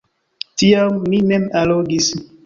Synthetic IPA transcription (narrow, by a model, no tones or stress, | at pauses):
tiamːimemaloɡis